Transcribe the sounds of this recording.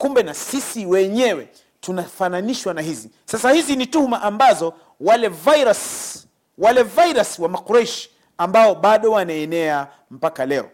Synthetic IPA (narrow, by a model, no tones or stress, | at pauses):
kumbɛnasisiwɛɲɛwɛ | tunafananiʃwanaɦizi | sasahizinituhumaʔambazɔ | walɛvaɾas | walɛvajɾaswamakuɾaiʃi̥ | ambaɔɓaɗɔwanaɛnɛa | m̩pakalɛɔ